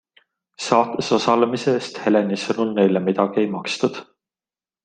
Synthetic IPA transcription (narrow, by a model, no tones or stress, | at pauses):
sɑːt̪eso̞sɑlemise̞st̪he̞le̞nisɤnulne̞jlemid̪ɑɡ̥ie̞jmɑkst̪ud̪̥